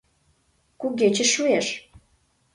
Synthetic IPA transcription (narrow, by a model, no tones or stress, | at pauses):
kuɣet͡ɕə̆ʃueʃ